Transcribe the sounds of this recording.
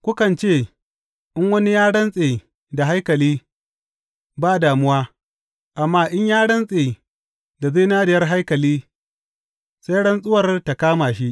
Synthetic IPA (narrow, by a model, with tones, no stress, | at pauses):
kʷʊ˦kɐ˨nt͡ʃeː˦˨ | ʔɪ˦ŋwɐ˦ni˦jaː˦ɽɐ˦nsʼeː˨ | da˨ɦa˦jkɐ˨liː˦ | baː˦˨daː˨mʊ˦waː˦ | ʔa˨mːaː˦ʔɪ˦ɲjaː˦ɽɐ˦nsʼeː˨ | da˨ze˦jnaː˦dɪ˨jɐ˦rɦa˦jkɐ˨liː˦ | sa˦jɽɐ˦nsʼʊ˦wɐ˨rta˨kaː˦maː˨ʃi˦ʔ